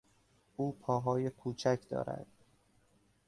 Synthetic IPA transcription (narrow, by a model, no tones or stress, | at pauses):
ʔuːpʰɒːɦɒːjekʰuːt͡ʃʰæcʰd̪ɒ̰ːɾæ̰d̪̥